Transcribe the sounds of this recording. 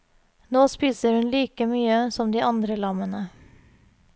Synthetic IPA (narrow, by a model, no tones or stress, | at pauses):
noːspiːsəɾhʉnliːkəmyːəsɔmd̪iːʔɑnd̪ɾəlɑmənə